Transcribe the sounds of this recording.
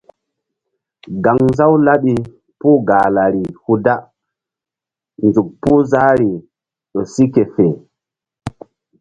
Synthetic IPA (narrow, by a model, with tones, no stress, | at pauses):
ɡa˨ŋza˦wla˦ɓi˨ | puː˦ɡa˨la˨ɾi˨hu˦da˦ | nzu˨k̚puː˦za˦ɾi˨ | ɗo˨si˦ke˨fe˨